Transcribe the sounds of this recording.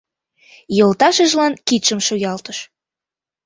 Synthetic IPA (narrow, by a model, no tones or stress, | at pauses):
jɤlt̪ɑʃəʒlɑnkit̪ʃəmʃojɑlt̪əʃ